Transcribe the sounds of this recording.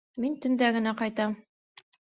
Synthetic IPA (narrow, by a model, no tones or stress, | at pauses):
mint̪ɵ̆nd̪æɡɘ̆næqɑjt̪ɑm